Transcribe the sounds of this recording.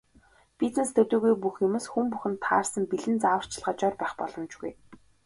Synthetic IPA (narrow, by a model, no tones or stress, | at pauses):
pʲit͡snest̪ʰɵt̪ɵːɣujp̬uxjʊmoːsxumpuxɘ̆nt̪ʰːa̰ːrsə̆mpiɮɘ̆nt͡saːwə̆r̥t͡ɕʰɪ̆ɮʁə̆t͡ɕɔːrpæːχpɔɮɞ̆mt͡ɕɡṵj